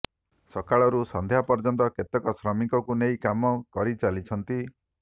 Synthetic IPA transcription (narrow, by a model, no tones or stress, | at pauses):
sɔkaɭɔɾusɔnd̪ʱejɦapɔɾd͡ʒɔnt̪ɔket̪ɔkɔsɾɔmikɔkunejkamɔkɔɾit͡ʃalit͡ʃʰɔnt̪i